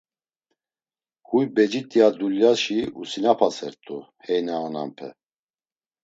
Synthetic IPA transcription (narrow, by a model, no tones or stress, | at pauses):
hujbɛd͡ʒit̪ʼijad̪uljaʃiusinapʰasɛɾt̪ʼu | hɛjnaːna̰mpʰɛ̰